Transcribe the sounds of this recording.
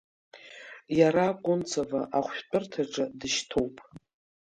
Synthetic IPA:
jaɾakʷʼʊnt͡sʰavaʔaχʷᶣt͡pʼɨrtʰaʈ͡ʂʼadɨʃtʰowpʼ

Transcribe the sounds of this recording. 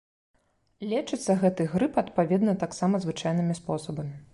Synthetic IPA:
lʲɛt͡ʂɨt̪sːɐɣɛt̪ɨɣɾɨpɐt̪̚pavʲɛd̪nɐt̪aksamɐzvɨt͡ʂajnɨmʲispɔsɐbɐmʲi

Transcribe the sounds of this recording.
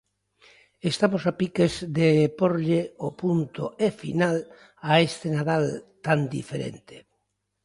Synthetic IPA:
est̪amosapikezðepoɾʎeopunt̪oefḭnal | aest̪enaðalt̪and̪ḭfeɾḛnt̪e̥

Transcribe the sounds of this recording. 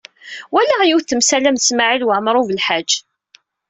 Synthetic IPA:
wælajiwθθəmsælæmθəsmaʕilwəʕmɾˤuvəlħad͡ʒː

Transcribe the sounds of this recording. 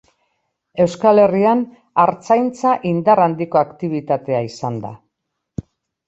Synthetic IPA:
e̞wskale̞rian | aɾt͡sajnt͡saʔind̪arand̪iko̞akt̪iβ̞it̪at̪e̞aisand̪a̰

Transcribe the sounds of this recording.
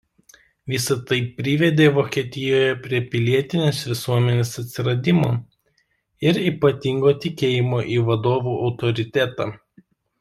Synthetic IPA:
ʋʲɪsɐt̪ɐɪɾʲɪʋʲɛd̪ʲeːʋoːkʲiɛt̪ʲɪjoːjɛpʲɾʲiɛpʲɪlʲiɛt̪ʲɪnʲeːsʋʲɪsuɔmʲɛnʲeːsɐt̪ʲsʲɪɾɐd̪ʲɪmo̰ː | ɪɾiːpɐt̪ʲɪŋɡoːt̪ʲɪkʲeːjɪmoːʔiːʋɐd̪oːʋuːʔɒʊt̪ɔɾʲɪt̪ʲæt̪ɑ

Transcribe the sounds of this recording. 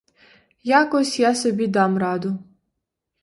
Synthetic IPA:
jakɔsʲjasɔbʲid̪ɑmrɑd̪ʊ

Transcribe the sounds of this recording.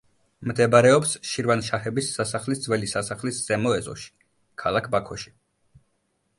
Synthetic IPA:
md̪ɛbɾɛɔpsʃiɾvanʃahɛbisːasaχlisd̪zvwɛlisasaχlisz̥ɛmɔɛzɔ̰ʃi̥ | kʰalˠakʰbakʰɔʃi̥

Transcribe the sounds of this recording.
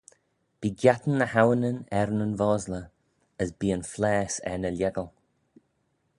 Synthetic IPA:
b̥iːɡjat̪ən̩ːəhawənənɛɾnənvɔːzlə | əsbiːənflɛːsɛ̰nəlʲjɛɡəlˠ

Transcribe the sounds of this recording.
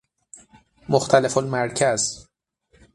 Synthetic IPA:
moxt̪ʰælefolmæɾcʰæz

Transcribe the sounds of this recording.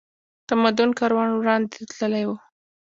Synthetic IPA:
t̪amad̪ʊnkɑɾwɑnwɽɑnd̪et̪ləlajwu

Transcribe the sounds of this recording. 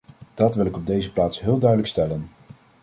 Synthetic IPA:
d̥ɑtʋɪlˠɪkɔb̚dejzəplaːtsɦɪːlˠdœɥdələkstɛlən

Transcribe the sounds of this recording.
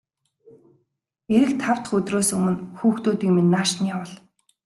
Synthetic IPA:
eɾɘ̆k̚t̪ʰaw̥t̪ə̆χɵt̪roːsɵmɵ̆nxuːxt̪uːt̪iːŋmenːaːʃniawə̆ɮ

